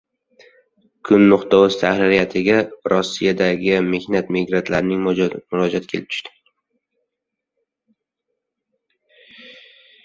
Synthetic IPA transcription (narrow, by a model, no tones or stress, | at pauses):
kʰʊnːʊqt̪ɒwʊz̥t̪ʰahɾɪɾijat̪ʰɪɡʲaɾɒsːijad̪aɡʲɪme̞hnat̪miɡɾant̪ʰlaɾnɪŋmʊɾɒd͡ʒat̪kʰʲelɪp̚t̪ʰʊ̥ʃt̪ɪ̥